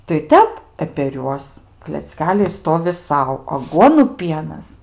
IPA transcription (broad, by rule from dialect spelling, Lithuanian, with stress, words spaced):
tɐɪ ˈtʲɛp ɛ pʲɛr ˈjuɔs klʲɛt͡sʲˈkʲæːlʲɛɪ ˈstoːʋʲɪ ˈsɐʊ ɐˈɡuɔnʊ ˈpʲiɛnɐs